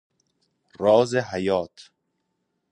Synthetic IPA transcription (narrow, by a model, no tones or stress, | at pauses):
ɾɒːzeɦajɒːt̪ʰ